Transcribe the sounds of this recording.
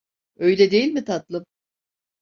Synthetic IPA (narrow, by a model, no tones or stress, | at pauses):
ø̞jlʲɛd̪e̞jilʲmit̪ʰat̪lˠɯm